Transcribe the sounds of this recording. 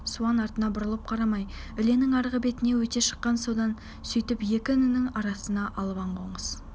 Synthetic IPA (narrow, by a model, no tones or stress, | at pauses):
suɑnɑɾt̪ənɑbʊɾəlˠəp̚qʰɑɾɑmɑj | ʏle̞nɪŋɑɾʁəbe̞t̪ɪne̞wɵt̪e̞ʃə̥qːɑnsod̪ɑn | sʏjt̪ɪpje̞kʲɪʏnɪnɪŋɑɾɑsənɑʔɑlˠʁɑɴqʰo̞ɴəz̥